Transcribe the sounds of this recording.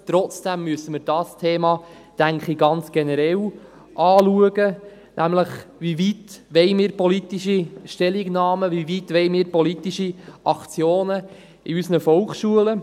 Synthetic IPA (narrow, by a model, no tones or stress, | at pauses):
t̪ɾɔt͡sd̥æmːyəsəmɪɾd̥ɑːstʰeːmɑ | tæŋkχiɡ̥ɑnt͡sɡ̥ɛnəɾɛl | ʔɑːluəɡə | nʔæmləχʋivitʋɛɪmiːɾpɔlit̪iʃiʃtɛliɡnɑːməvivit̪ʋɛjmiːɾpɔlit̪iʃiʔɑkt͡sjoːnə | iysənəfɔlkʃuələ